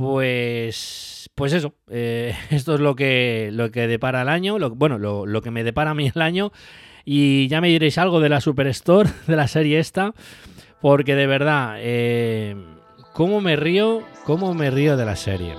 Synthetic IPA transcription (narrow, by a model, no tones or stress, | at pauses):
pwe̞spwe̞s̬e̞so̞ | ees̬t̪oelo̞ke̞lo̞keðe̞paɾaelaɲo̞lobwe̞nololo̞ke̞me̞ðe̞paɾaːmielaɲo̞ | iʝame̞ðiɾe̞jsalɣ̞o̞ð̞e̞lasupe̞ɾe̞st̪o̞ɾðe̞lase̞ɾje̞e̞st̪apo̞ɾke̞ð̞e̞βe̞ɾðae | ko̞mome̞rio̞ko̞mome̞rio̞ð̞e̞lase̞̰ɾje̞̰